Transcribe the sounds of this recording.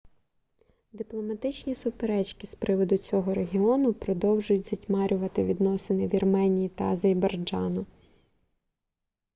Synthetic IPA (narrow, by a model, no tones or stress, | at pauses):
d̪ɪplˠɔmɐt̪ɪt͡ʃnʲisʊpeɾɛt͡ʃkispɾɪʋɔd̪ʊt͡sʲɔɦɔɾeɦʲiɔnʊpɾɔd̪ɔwʒʊjʊtʲz̥ʲɐtʲmɑɾʲʊʋɐt̪ɪʋʲid̪nɔsɪnɪʋʲirmɛnʲijit̪ɐzɐjbɐrd͡ʒɑnʊ